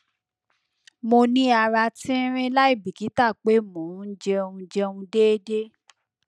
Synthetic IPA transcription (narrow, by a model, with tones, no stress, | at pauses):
mo˧nĩ˦a˧ɾa˧tĩ˦ɾ̃ĩ˦la˦i˦˨bi˨ki˨˦ta˦˨k͡pe˨˦mũ˨˦n̩˦d͡ʒɛ˧o˧ũ˧d͡ʒɛ˧o˧ũ˧de˦de˦